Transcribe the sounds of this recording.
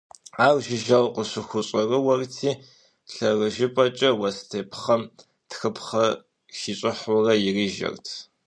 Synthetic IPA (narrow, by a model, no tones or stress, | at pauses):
aːwʒɪʒɐwqəɕʷʊxʷʊɕʼɐrɨwɐrtʰiː | ɬɐrɨʒɪpʼɐt͡ʃʼɐwɐstʰeːpʰχɐm | txɨpʰχɐ | xiːɕʼɪħʊrɐjɪriːʒɐ̰rtʰ